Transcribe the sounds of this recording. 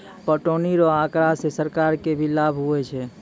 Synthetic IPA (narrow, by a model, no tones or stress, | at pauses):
pəʈoniɾɔakɾasesəɾkaɾkebʱilabʱɦuɛt͡ʃʰɛ